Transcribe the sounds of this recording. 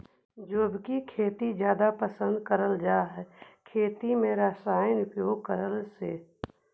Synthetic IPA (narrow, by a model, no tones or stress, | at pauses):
d͡ʒobkikʰeːt̪id͡ʒjaːd̪apəsə̃nd̪kəɾəld͡ʒaːɦɛkʰeːt̪imẽɾaːsaːjənʊpjoːɡ̚kəɾəlsḛː